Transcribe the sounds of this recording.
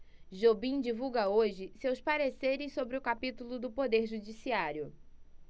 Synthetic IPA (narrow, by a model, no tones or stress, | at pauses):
ʒobĩd͡ʒivuɡɐoʒɪsewspaɾeseɾɪssobɾɪʊkapit̪ulʊd̪ʊpod̪eɾʒud͡ʒisiaɾjʊ